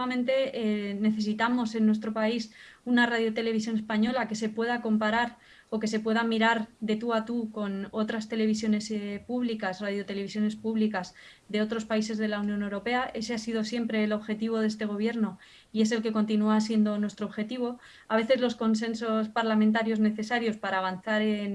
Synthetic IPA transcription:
amẽ̞nt̪e̞ne̞θe̞sit̪amo̞se̞nːwe̞st̪ɾo̞paisunarað̞jot̪e̞le̞βis̬jo̞ne̞spaɲo̞lake̞se̞pwe̞ðako̞mpaɾaɾ | o̞ke̞se̞pwe̞ðamiɾaɾðe̞t̪uat̪uko̞no̞t̪ɾast̪e̞le̞β̞isjo̞ne̞spuβlikasraðjo̞t̪e̞le̞βisjone̞spuβlikas | ðe̞o̞t̪ɾo̞spaise̞zðe̞launjõ̞ne̞wɾo̞pe̞aʔe̞se̞asið̞o̞sje̞mpɾe̞ːlo̞βxe̞t̪iβ̞o̞ðe̞s̬t̪e̞ɣ̞o̞β̞je̞ɾno̞ | ie̞s̬e̞lke̞ko̞nt̪inuasje̞nd̪o̞nwe̞st̪ɾoβxe̞t̪iβ̞o̞ | aβe̞θe̞zlo̞sko̞ns̬e̞nso̞spaɾlamẽnt̪̬aɾjo̞zne̞θe̞saɾjo̞spaɾaːβ̞anθaɾe̞n

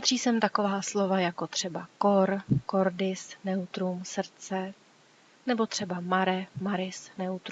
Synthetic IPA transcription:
pad̪r̝̥iːsɛmt̪ako̞vaːslo̞vajako̞t̪r̝̥ɛbako̞ɾko̞ɾdɪsnɛut̪ɾumsr̩t͡sɛ | nɛbo̞t̪r̝̥ɛbamaɾɛmaɾɪsnɛut̪ɾ

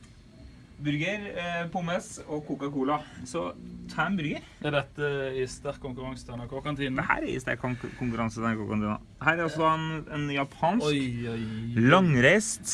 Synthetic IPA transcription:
bʏɾɡəɾpʊməsɔkʰukəkuːlɑsɔt̪ʰæmbʏɾɡəɾ | ɛd̪ɛt̪ːəɪst̪æɾkkʰːʊŋkʉɾɑŋst̪ʰæɳɑkʰokɑnt̪ʰiːnhæ̰ːɾæ̰ɾɪ̰st̪æ̰ɾkʰkʰːʊŋkʉɾɑnsəænkɔkɑnt̪iːnɑ̰ | hæːɾæɾɑlsɔd̪ɑɛnɛnjɑpʰɑːnsɔ | lɑŋɾæɪst̪

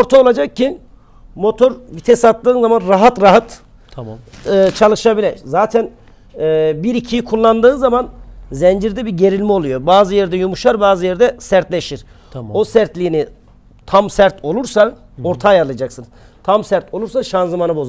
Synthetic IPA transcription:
oɾt̪ʰaolˠad͡ʒak̚cːi | mo̞t̪ʰo̞ɾvit̪ʰesat̪ːɯːnzamanɾaɦat̪ɾaɦat̪ | ɯt͡ʃʰalˠɯʃabilʲɛzaːt̪ʰænː | biɾicʰijikʰulˠːand̪ɯːnzamanzɛnd͡ʒiɾd̪ɛbiɾɟe̞ɾilʲmio̞lˠujo̞baːzɯjɛɾd̪ɛjumuʃaɾbaːzɯjɛɾd̪ɛsæɾt̪lʲe̞ʃiɾ̥ | o̞sæɾt̪lʲiːni | t̪ʰamsæɾt̪ʰo̞lˠuɾsa | o̞ɾt̪ʰaːjaɾɯlˠad͡ʒaksɯnz | t̪ʰamsæɾt̪ʰo̞lˠuɾsaʃanzɯmanɯbo̞z

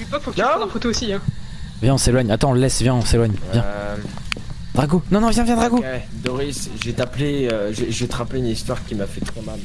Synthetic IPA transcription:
ipɔkfoaɑ̃fot̪oosiɛ̃ | vjɛ̃ɔ̃selwaɲat̪ɑ̃ɔ̃ləlɛsvjɛ̃ɔ̃selwaɲvjɛ̃ | d̪̥ʁaɡonɔ̃nɔ̃vjɛ̃vjɛ̃d̪ʁaɡoɛd̪oʁisʒəvɛt̪apleøʒeʒəvɛt̪əʁapleynist̪waʁkʲimafɛt̪χɛmal

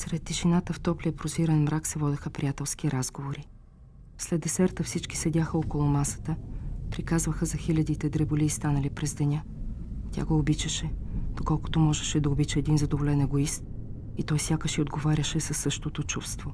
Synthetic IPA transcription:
sɾɛt̪ːiʃinat̪əft̪ɔpliəpɾoziɾənmɾʔaksɛvɔd̪ɛxəpɾʲijat̪ɛlˠskiɾazɡovoɾi | slɛd̪ɛsɛɾt̪əfsit͡ʃki̥sɛd̪ʲaxəɔkolˠomasə̥t̪əpɾikazvəxəzɐxilʲɐd̪it̪ɛd̪ɾɛbolʲist̪anəlipɾɛzd̪ɛnʲa | t̪ʲa̰ɡoːbit͡ʃɛʃɛd̪̥okɔlˠko̥t̪omɔʒɛʃɛd̪ɐobit͡ʃɛːd̪inzɐd̪ovolɛnɛɡoist̪̚ | it̪ɔjsʲjakəʃiod̪ɡovaɾʲɐʃɛsɐsːɤʃt̪ot̪ot͡ʃufst̪vo

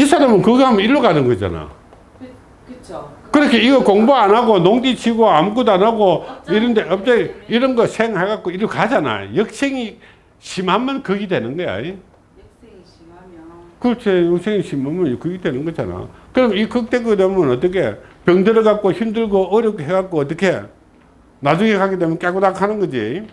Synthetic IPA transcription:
isʰaɾamɯnkɯɡehamʌiɾːokanɯnɡʌd͡ʑa̰na̰ | kɯɾʌkʰeiɡʌkoŋboanaɡonoŋdit͡ɕʰiɡoamɡudanaɡoiɾɯndeʌp̚t͈eiɾʌnɡʌsʰeŋhaɡak͈oiɾokad͡ʑana̰jʌk̚s͈ʰeŋi | ɕimɦamʌnkɯɡidwe̞nɯnɡʌja̰i | kɯt͡ɕʰejʌksʰeŋiɕimamjʌnkɯɡidwenɯnɡʌd͡ʑa̰na̰kɯɾʌmikɯk̚t͈ekɯɡidwemʌnʌt͈ʌkʰḛpjʌŋdɯɾʌɣak͈oçimdɯɭɡoɯɾjʌkɦeɡak͈oːt̬͈ːʌkʰe | nad͡ʑuŋekaɡidemnk͈akudakʰanɯnɡʌd͡ʑi

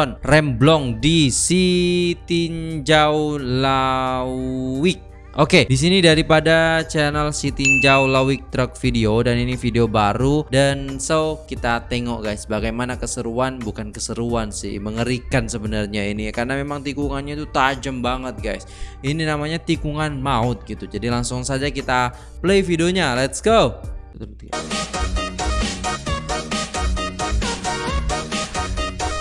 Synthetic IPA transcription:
ɔnrɛmblɔŋdisit̪iɲd͡ʒawla | wɪk̚ | ʔokedis̬inidaɾipadat͡ʃɛnəlsit̪iɲd͡ʒawlawɪk̚t̪ɾək̚fideodaninifideobaɾudansəwkit̪at̪eŋɔʔɡajsbaɡajmanakəsəɾuanbukankəsəɾuansɪ̰hməŋəɾikansəbənarɲainikaɾənamemaŋt̪ikuŋanɲat̪ut̪ad͡ʒəmbaŋət̪̚ɡajsininamaɲat̪ikuŋanmaʊt̪̚ɡit̪ud͡ʒadilaŋsʊŋsad͡ʒakit̪a | pəlejfidioɲalɛt̪sɡowbət̪

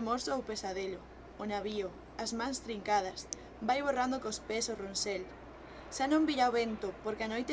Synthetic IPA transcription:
moɾsoowpesaðelʊː | naβiʊ | ɐzmãŋst̪ɾiŋkað̞ɐs | bajβorand̪okospesoronsel | ʃanõmbiʎaoβent̪opoɾkeanojt̪

